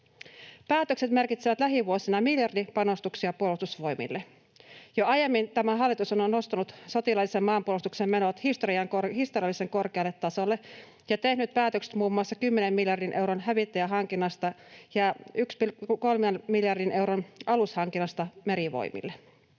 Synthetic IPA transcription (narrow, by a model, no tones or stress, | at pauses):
pæːt̪økse̞t̪me̞rkit̪seʋæt̪læɦiʋuosinɑmiljɑrdipɑno̞st̪uksiɑpuolust̪usʋo̞jmḭlːe | joɑjemːint̪æmæɦɑlːit̪usononːo̞st̪ɑnut̪so̞t̪ilɑlːisemːɑːmpuolust̪uksemme̞not̪hist̪oɾiɑŋkohist̪oriɑlːˑise̞ŋko̞rkeɑlːe̞t̪ːɑso̞lːe | jɑt̪e̞hnyt̪̚pæːt̪økse̥t̪muːmːuɑsːɑkymːenemːiljɑrdinʔe̞wɾonɦæʋit̪ːæjæɦɑŋk̟inːɑst̪ɑjɑykspikolmenmiljɑrdinʔe̞wɾonʔɑlushɑŋkinːɑst̪ɑme̞ɾiʋo̰jmḭlːe